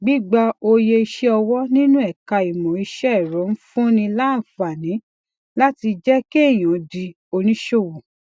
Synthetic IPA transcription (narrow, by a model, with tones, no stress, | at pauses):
ɡ͡bi˦ɡ͡ba˧o˧je˧i˧ʃe˦ɔ˧wɔ˦nĩ˦nũ˦ɛ˦˨ka˧i˨mɔ̃˨i˧ʃɛ˦˨ɾɔ˨˦n̩˦fũ˦nĩ˧la˦˨fa˨nĩ˨˦ | la˦ti˧d͡ʒɛ˦ke˦e˦˨j̃ɔ̃˨˧di˧ | o˧nĩ˦ʃo˦˨wo˨